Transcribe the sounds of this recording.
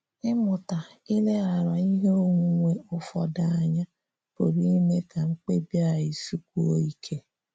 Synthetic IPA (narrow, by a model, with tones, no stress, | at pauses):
ɪ˦mʊ˨ta˨i˦le˦a˨ɾa˨i˦ɦe˦o˦ŋu˦ŋʷe˦ʊ˦fɔ̰˨da˨a˨ɲa˦ | po˨ɾi˦i˦me˦kʰa˨ŋ͡m̩˦k͡pe˦bja˨i˨su˦k̚ʷu˦o̰˦i˦kʰe˦